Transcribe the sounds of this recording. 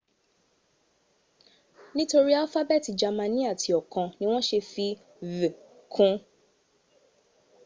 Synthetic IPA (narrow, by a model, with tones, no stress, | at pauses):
nĩ˦to˧ɾi˦a˦fa˦bɛ˦˨ti˨d͡ʒa˨mã˧nĩ˦a˦˨tʰi˨ɔ˨kã˧nĩ˦w̃ɔ̃˦ʃe˧fi˧ | vɨ̃˨ | kʰũ˦